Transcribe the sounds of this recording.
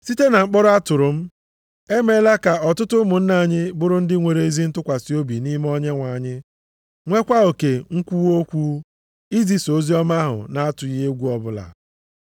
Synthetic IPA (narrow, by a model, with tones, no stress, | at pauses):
si˦te˦na˨ŋ͡m̩˦k͡pɔ˦ɾʊ˦a˦tʊ˨ɾʊ˨m̩˦ | e˦me˦la˦ka˨ɔ˨tʊ˦tʊ˦mʊ˨n̩˦na˨ɲɪ˦bʊ˦ɾʊ˦n̩˦dɪ˦ŋʷe˨ɾe˨i˦zi˦n̩˦tʊ˦kʷa˨si˨˦o˦bi˨ni˦m˦ɔ˦ɲe˦ŋʷa˨ɲɪ˦ | ŋʷe˦kʷa˦o˨ke˨ŋ̩˦kʷu˦o˦kʷu˦ | i˦zi˨so˨˦zi˦ɔ˦ma˦ɦʊ̰˨na˨a˦tʊ˨ji˦ɦe˦ɡʷu˦ɔ˨bʊ˦la̰˨